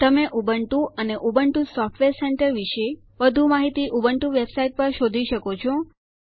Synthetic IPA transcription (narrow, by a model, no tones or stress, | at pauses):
t̪əmeʔubəɳʈũəneʔubəɳʈũsɔfʈʋeɾseɳʈəɾʋiʃe | ʋəd̪ʱumaɦit̪iʔubəɳʈũʋebsaiʈ̚pəɾʃod̪ʱiʃəkot͡ʃʰo